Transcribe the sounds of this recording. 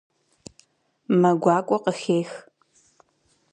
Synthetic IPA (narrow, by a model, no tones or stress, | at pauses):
mɐɡʷɑːkʷʼɔqəxeːx